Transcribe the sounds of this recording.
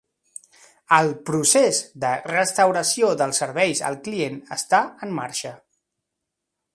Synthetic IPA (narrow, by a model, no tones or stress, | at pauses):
əlˠpɾusezd̪ərəst̪əwɾəsioðəlˠsːəɾβ̞ɛjzə̰lˠklienə̰st̪aəmːa̰ɾʃə